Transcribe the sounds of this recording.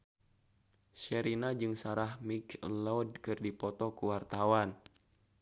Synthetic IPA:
ʃɛɾinad͡ʒɨŋsaɾahmiklɔd̚kɨrdipɔt̪ɔkuwart̪awan

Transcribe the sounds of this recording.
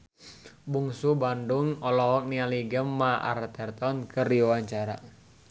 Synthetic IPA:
buŋsubanduŋɔlɔɦɔk̚nialiɡəmːaʔa̰rt̪ɛrt̪ɔnkɨrdiwaɲt͡ʃaɾa̰

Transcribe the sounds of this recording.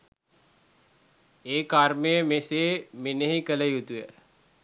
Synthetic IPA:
eːkarmejəmeseːmenəɦikələjut̪ujə

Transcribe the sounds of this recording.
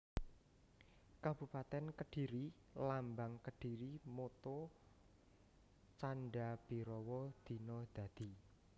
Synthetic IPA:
kab̥ṳpat̪ɛnkəɖ̥i̤ɾi | lambaŋkəɖ̥i̤ɾimot̪o | t͡ʃanɖab̥i̤ɾɔwɔd̪̥i̤nɔd̪̥ä̤d̪̥i

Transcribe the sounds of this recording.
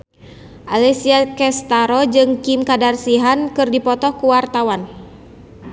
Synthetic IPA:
ʔalɛsiakɛst̪aɾɔd͡ʒɨŋkimkadarsiɦankɨrdipɔt̪ɔhkuwart̪awan

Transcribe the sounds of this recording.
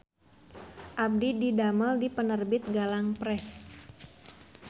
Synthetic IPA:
ʔab̚dididaməldipənərbɪt̪̚ɡalaŋpɾɛs

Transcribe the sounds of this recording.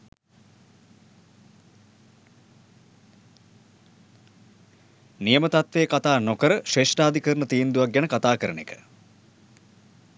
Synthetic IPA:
nijəmət̪at̪ʋeːkat̪aːnokəɾəʃeːʂʈaːd̪ikəɾɳət̪iːnd̪uʋak̚ɡænəkat̪aːkəɾənḛkə̥

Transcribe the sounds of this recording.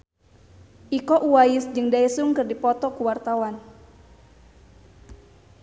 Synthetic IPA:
ʔikɔʔuwajɪsd͡ʒɨŋdaɛsuŋkɨrdipɔt̪ɔkuwart̪awan

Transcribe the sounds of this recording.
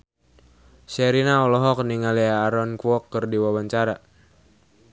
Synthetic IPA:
sɛɾinaɔlɔɦɔk̚niŋaliaːɾɔnkuɔkːərdiwawaɲt͡ʃaɾa

